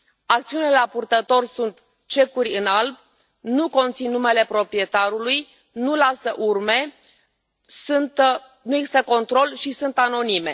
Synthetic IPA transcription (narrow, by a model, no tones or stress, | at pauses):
ak̚t̪siunileapurt̪ət̪o̞rʲsunt̪ | t͡ʃe̞kurʲɨnalb | nuko̞nt̪sinːume̞le̞pɾo̞pɾije̞t̪aɾuluj | nulasəʔurme̞ | sunt̪ | nuje̞ɡzi̥st̪əko̞nt̪ɾo̞lʃisunt̪ano̞nime̞̰